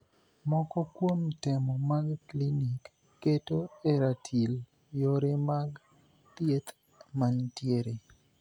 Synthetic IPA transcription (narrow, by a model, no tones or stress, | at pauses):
mɔkɔkwomtemɔmaɡklinikː | etoeɾatʰil | joɾemaɡ | t̪jet̪ | mantjeɾe